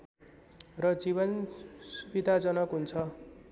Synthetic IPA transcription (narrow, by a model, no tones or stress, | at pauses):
rʌd͡ziβʌnsubid̪ʱad͡zʌnʌkɦunt͡sʰʌ